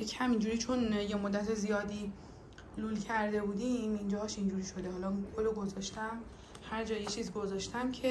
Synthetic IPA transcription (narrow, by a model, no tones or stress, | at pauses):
cʰhæmind͡ʒuːɾiːt͡ʃʰo̞njemod̪ːæt̪ʰezijɒːd̪iː | luːlcʰæɾd̪e̞buːd̪imind͡ʒɒɦʃind͡ʒuːɾiːʃo̞d̪eɦɒːlɒɡoloɡo̞zɒʃt̪æm | hæɾd͡ʒɒːjet͡ʃʰiːzɡo̞zɒʃt̪ʰæmcʰe